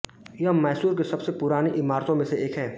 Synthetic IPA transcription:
jɐɦmɛːsuːɾkesɐbsepʊɾaːniʔɪmaːɾt̪õmẽseʔeːkɦɛː

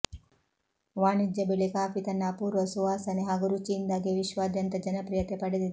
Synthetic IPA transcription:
ʋaːnid͡ʒ̪jɐbiɭikaːpit̪ɐnːaːpuːɾʋɐsuʋaːsɐneɦɐɡuɾut͡ʃind̪aɡeʋiʃʋaːd̪jɐnt̪ɐd͡ʒɐnɐpɾijɐt̪epɐɽed̪id̪i

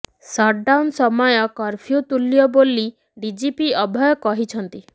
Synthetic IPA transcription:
sɔɖawnsɔmɔjɔkɔɾpʰijut̪uljɔboli | ɖid͡ʒipiɔbʱɔjɔkɔɦit͡ʃʰɔnt̪i

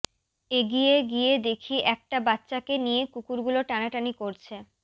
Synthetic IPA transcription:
eɡijeɡijed̪ekʰiʔɛk̚ʈabatːɕakenijekukuɾɡuloʈanaʈanikoɾt͡ɕʰe

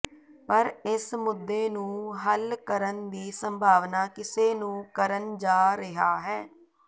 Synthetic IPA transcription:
pəɾɪsmʊd̪ːeːnũːɦəlkəɾənd̪iːsəmbʱaːʋnaːkɪseːnũːkəɾənd͡ʒaːɾɪɦaːɦɛː

